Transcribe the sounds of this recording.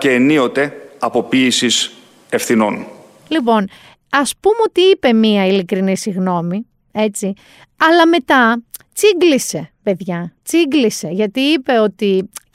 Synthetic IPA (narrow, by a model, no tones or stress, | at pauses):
ceːnio̞t̪e̞ɐpo̞piːsis | e̞fθino̞n | lipo̞n | ɐspumo̞t̪iipe̞miɐilikɾinisiɣno̞mi | e̞t͡si | ɐlɐme̞t̪ɐt͡siɡlise̞pe̞ðʝɐt͡siɡlise̞ʝɐt̪iipe̞o̞t̪i